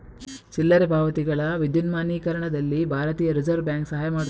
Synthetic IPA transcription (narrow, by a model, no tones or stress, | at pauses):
t͡ʃilːɐɾebʱaːʋɐt̪iɡɐɭɐʋid̪junmaːniːkɐɾɐɳɐd̪ɐlːibʱaːɾɐt̪iːjɐɾid͡ʒɐɾʋbjaːŋksɐɦaːjɐmaːɽ